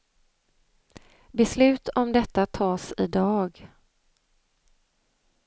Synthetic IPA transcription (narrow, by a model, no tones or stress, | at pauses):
bɛslʉ̟ːt̪ʰɔmd̪ɛt̪ːat̪ʰɑːsɪd̪ɑːɡ